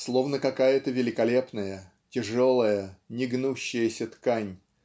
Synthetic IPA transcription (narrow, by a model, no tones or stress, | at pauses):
slˠo̞vnəkɐkajət̪əvʲɪlʲɪkɐlʲe̞pnəjə | tʲɪʐo̞lˠəjənʲɪɡnuɕːɪjəsʲət̪kanʲ